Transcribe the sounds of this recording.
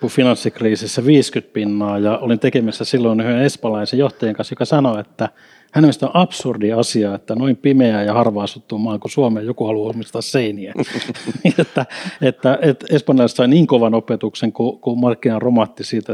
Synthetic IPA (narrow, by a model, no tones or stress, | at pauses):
kufinɑnsːikriːsisːæʋiːskyt̪̚pinːɑːjɑolint̪ekemæsːæsilːoinhyønespɑlɑisejjoht̪ɑjeŋkɑnsjokɑsɑnoet̪ːæ | hænemest̪onʔɑpsurdiɑsiɑet̪ːænoimpimeæːjɑhɑrʋɑːsut̪ːumɑːŋkusuɑmeːjokuhɑluumist̪ɑsseiniæiet̪ːæet̪ːæet̪espɑnjɑlɑist̪sɑiniːŋkoʋɑnopet̪ukseŋkukumɑrkːinɑromɑt̪ːisiːt̪æ